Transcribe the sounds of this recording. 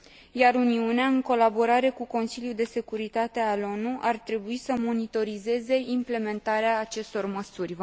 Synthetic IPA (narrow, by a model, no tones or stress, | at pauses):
jaɾuniuneaɨŋko̞labo̞ɾaɾe̞kuko̞nsiljud̪e̞se̞kuɾit̪at̪e̞alo̞nuʔart̪ɾe̞buisəmo̞nit̪o̞ɾize̞ze̞imple̞me̞nt̪aɾeaːt͡ʃe̞st̪o̞rməsurʲ